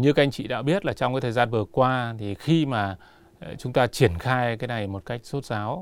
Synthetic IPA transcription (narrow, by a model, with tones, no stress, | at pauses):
ɲɨ˧ka˨˦ʔa˧ŋ̟t͡ɕḭ˧˨ɗa̰ː˧˥ɓi˦˥ət̚laː˨˩t͡ɕɔ˧ŋ͡mkaː˨˦jt̪ʰəː˨˩jzaː˧nvɨ˨˩əkwaː˧t̪ʰi˨˩xi˧maː˨˩ | t͡ɕʊ˨˦ŋ͡mt̪aː˧t͡ɕi˧˩ənxaː˧jkaː˨˦jna˨˩jmo˨˩t̚ka˦˥jk̟̚so˦˥t̚zaː˨˦w